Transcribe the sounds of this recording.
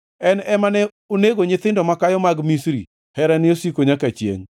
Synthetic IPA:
ɛnɛmanɛ | oneɡoɲɪt̪ɪndɔmakajɔmaɡmisɾḭ | hɛɾɛnɪosikoɲakat͡ʃjḛŋ

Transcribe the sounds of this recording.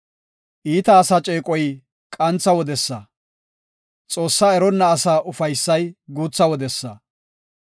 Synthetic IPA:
ʔiːt̪ɐːsɐt͡ʃʼeːkʼɔj | kʼɐnt͡sːɐwɔd̪ɛsːɐ | t͡sʼo̞ːsːaːɛɾɔnːɐːsaːʔʊfɐjsːɐjɡuːt͡sːɐwɔd̪ɛsːɐ

